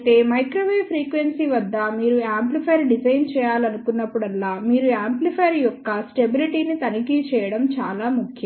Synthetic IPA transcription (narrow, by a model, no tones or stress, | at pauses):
ʈ̪e̞ːmɐjkɾoːʋeːpʰɾiːkʋensiʋɐd̪ːɐmiːɾuaːmplipʰɐjɾɖid͡ʒɐjnt͡ʃɛːjaːlɐnukunːɐpːuɽɐlːaːmiːɾuaːmplipʰɐjɾjɔkːɐsʈe̞biliʈiːnit̪ɐnikit͡ʃɛːjɐɽɐmt͡ʃaːlaːmukʰjɐ